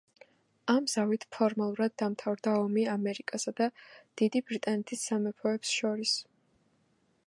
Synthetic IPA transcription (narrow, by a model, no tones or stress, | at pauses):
amz̥avit̪ʰpʰɔɾmalˠuɾad̪̚ːamt̪ʰavɾd̪aɔmiamɛɾikʼasad̪ad̪̥id̪ibɾit̪ʼanɛt̪ʰisːamɛpʰɔɛpsʃɔɾis